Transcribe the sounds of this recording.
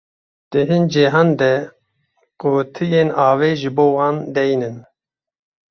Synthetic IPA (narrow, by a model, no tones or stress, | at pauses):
d̪̥ɨɦind͡ʒiɦɑnd̪ɛ | kot̪ʰɨjeːnɑːveːʒɨboːwɑːnd̪ɛjnɨn